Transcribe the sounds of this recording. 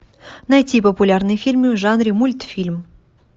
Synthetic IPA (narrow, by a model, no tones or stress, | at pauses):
nɐjtʲipəpʊlʲarnɨjfʲilʲmʲɪvʐanɾʲɪmulʲt̪fʲilʲm